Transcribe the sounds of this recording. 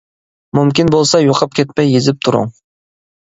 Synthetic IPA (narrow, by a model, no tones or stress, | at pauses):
mymkʲinbolˠsɑjoqʰɑp̚kʲʰet̪̚mɛjezɪp̚t̪ʰuɾʊ̰ŋ